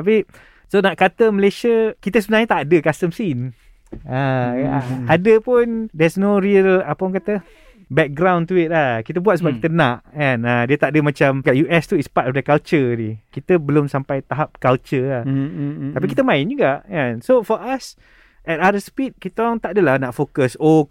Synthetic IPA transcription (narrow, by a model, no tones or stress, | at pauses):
t̪ap̬i | sonaʔkat̪əməleʃəkit̪əsəbənaɲət̪aʔdəkast̪əmsin | a | adəpundɛsnoɾiəlapəŋkat̪ə | bɛk̚ɡɾãwnt̪uɪt̪̚lahkit̪əbuat̪̚səbap̚kit̪ənãʔɛnadiət̪aʔdəmãt͡ʃamkaʔjuʔɛst̪uispatɔfdəkalt͡ʃədikit̪əbəlʊmsampajt̪aɦap̚kalt͡ʃəlat̪apikit̪əmãɪnd͡ʒuɡaʔjãnsofɔʔas | ɛt̚adəspit̚kit̪əŋt̪aʔdəlahnaʔfokəso